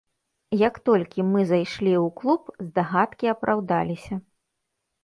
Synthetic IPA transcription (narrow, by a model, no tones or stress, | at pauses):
jɐkt̪ɔlʲkʲimɨzajʂlʲiwklˠupzd̪aɣat̪kʲiɐpɾʔawd̪alʲisʲɐ